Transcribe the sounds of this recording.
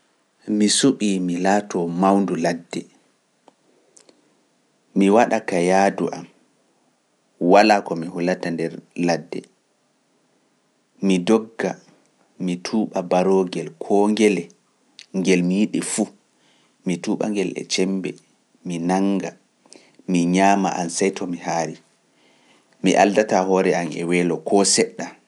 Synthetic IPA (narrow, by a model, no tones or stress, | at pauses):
misuɓimilaːtɔmawnduladːɛ | miwaɗakajaːduʔam | walaːkɔmihulatandɛɾladːɛ̰ | midɔɡːa | mitʰuːɓabaɾoɡɛlkʰɔŋɡɛlɛ | ŋɡɛlmijiɗifu | mituːɓa̰ŋɡɛlɛ̰t͡ʃɛmbɛ̰ | minaŋɡa | miɲaːmaʔansajtʰɔmihaɾi | miʔa̰ldatahɔɾɛamɛ̰wɛːlɔkʰɔsɛɗːa